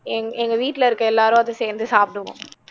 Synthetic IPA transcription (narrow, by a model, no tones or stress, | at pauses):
ŋɛŋɡɐʋiːʈlɐɪɾɯkːɐɛlːaːɾõːɐðɐseːɾnd̪ɯsaːp̚ʈ̪ɯŋɐ̰̃